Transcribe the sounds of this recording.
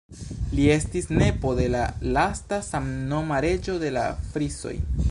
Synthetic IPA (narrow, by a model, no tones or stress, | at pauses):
lie̞stisne̞po̞de̞lalastasamno̞maɾe̞d͡ʒo̞de̞la̰fɾiso̞̰j